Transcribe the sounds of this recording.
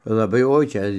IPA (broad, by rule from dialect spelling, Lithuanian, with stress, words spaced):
lˠɐˈbɐɪ ˈoːɪ ˈt͡ʃʲɛ